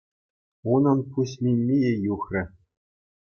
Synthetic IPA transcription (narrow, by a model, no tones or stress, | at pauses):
unɤ̆npuɕmʲinʲmʲejejuxrʲɘ̆